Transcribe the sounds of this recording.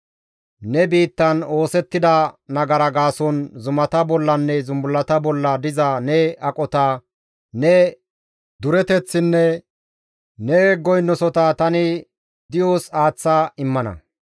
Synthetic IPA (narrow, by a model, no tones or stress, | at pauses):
nɛbiːt̪ːɐno̞ːsɛt̪ːɪd̪ɐnɐɡɐɾɐɡaːsɔnzʊmɐt̪ɐbɔlːɐnːɛzʊmbʊlːɐt̪ɐbɔlːɐd̪ɪzɐnɛɐkʼɔt̪ɐ | nɛ | d̪ʊɾɛt̪ɛt͡sːɪnːɛ | nɛɡɔjnːɔsɔt̪ɐt̪ɐnɪ | d̪ɪjoːsaːt͡sːaɪmːɐnɐ̰